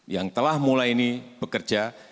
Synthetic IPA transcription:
jaŋt̪əlahmulajinib̥əkərd͡ʒa

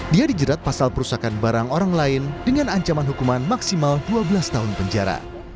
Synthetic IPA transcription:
diadid͡ʒəɾat̪̚pasalpəɾusakanbaɾaŋoɾaŋlaɪndəŋanaɲt͡ʃamanɦukumanmaksimalduabəlast̪aɦʊnpəɲd͡ʒaɾa̰

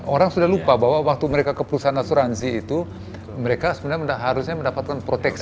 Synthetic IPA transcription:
oɾaŋsudahlupabaɦwawak̚t̪uməɾekakəpəɾusaanasuɾansiːt̪u | məɾekasəbənaɲməndaɦaɾusɲaməndapat̪̚kanpɾot̪ɛks

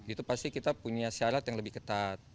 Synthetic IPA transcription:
it̪upast̪ikit̪apuɲasaɾat̪jaŋləbɪhkət̪at̪̚

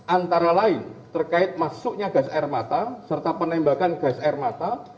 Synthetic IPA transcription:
ʔant̪aɾalaɪnt̪ərkaɪt̪̚masʊʔɲaɡ̥asaɛrmat̪asərt̪apənɛmbakanɡ̥asaɛrmat̪a

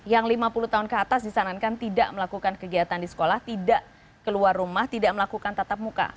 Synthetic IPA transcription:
jaŋlimapuluht̪aɦʊnkəat̪asdisanankant̪idaʔməlakukankəɡiat̪andisə̥kolaht̪idaʔ | kəluarumaht̪idaʔ̚məlakukant̪at̪ap̚muka̰

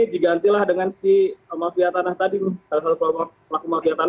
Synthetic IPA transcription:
diɡant̪ilahdəŋansimafiat̪anaht̪adimɪhsalasalukalmaplakumafiat̪an

